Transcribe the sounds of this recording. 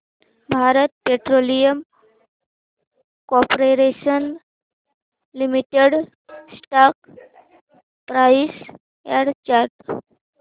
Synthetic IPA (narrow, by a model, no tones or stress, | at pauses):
bʱaɾət̪̚peʈɾolijəm | kɔpɾeɾeɕən | limiʈeɽ | sʈak̚ | pɾais | aɽt͡ɕaɾʈ